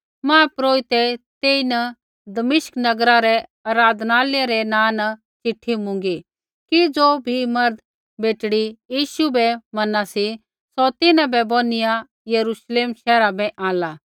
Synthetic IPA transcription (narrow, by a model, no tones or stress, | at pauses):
mãːpɾoːit̪ɛt̪eːinɐ | d̪ɐmɪʃknɐɡɾaɾɛɐɾaːd̪ʱnaːleɾɛnãːnɐ | t͡ʃɪʈʰːimʊ̃ŋɡi | kid͡zoːbʱimɐɾd̪ | beːʈɽijiːʃubɛmɐnasi | sɔt̪ɪnãbɛboːnɪja | jɐɾuːʃleːmʃɛːɾabɛʔãːlaː